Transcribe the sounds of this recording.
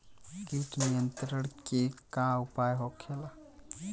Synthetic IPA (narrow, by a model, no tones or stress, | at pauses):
kiʈnijənt̪ɾəɽkekaupajɦokʰela